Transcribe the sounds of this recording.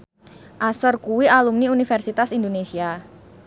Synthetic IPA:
ʔasɔrkuwialumniunifɛrsit̪asind̪onesia

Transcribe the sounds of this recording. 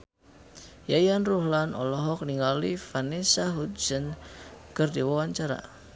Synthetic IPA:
jajanruhlanʔɔ̰lɔɦɔk̚niŋɡalifanisaɦut̪̚sənkərdiwawaɲt͡ʃaɾa̰

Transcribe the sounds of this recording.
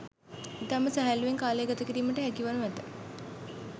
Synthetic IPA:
it̪aməsæɦælːuʋeŋkaːlejəɡat̪əkiɾiːməʈəɦækiʋanuʋɛt̪ə

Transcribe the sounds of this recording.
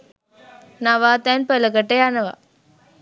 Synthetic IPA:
nɐʋaːt̪anpɛlɐkɐʈːeanɐʋa̰ː

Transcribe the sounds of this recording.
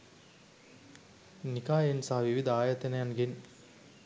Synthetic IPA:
nikaːjensaɦɐʋiʋid̪ɐaːjɐt̪enɐjɐnɡen

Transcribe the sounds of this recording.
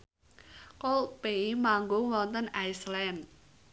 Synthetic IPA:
kolpemaŋɡʊŋwɔnt̪ənajslɛn

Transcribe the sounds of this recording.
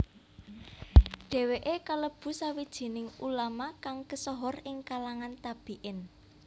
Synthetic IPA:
ɖ̥ɛ̤weʔekaləb̥ṳsawid̥ʒ̥i̤nɪŋulamakaŋkəsɔɦɔrɪŋkalaŋant̪ab̥i̤ʔɪn

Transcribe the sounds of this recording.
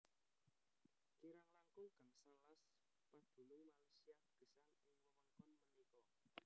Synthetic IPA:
kiɾaŋlaŋkʊŋɡ̥a̤ŋsanlas | pad̪̥ṳlʊŋmalasiaɡ̥ə̤salɪŋwɔmɔŋkɔnmənikɔ

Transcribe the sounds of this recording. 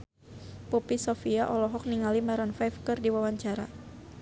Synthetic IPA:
pupisɔfiaʔɔlɔɦɔk̚niŋalimaɾanfajfkɨrdiwawaɲt͡ʃaɾa

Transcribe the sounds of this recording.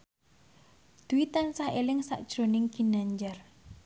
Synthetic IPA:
d̪̥uwit̪ansaelɪŋsa̰ʔd̥ʒ̥ɾo̤nɪŋɡ̥inaɲd͡ʒar

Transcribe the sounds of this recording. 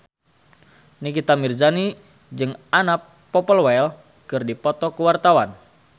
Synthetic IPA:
nikit̪amirzani | d͡ʒɨŋana | pːɔpəlwɛl | kɨrdipɔt̪ɔkuwart̪awan

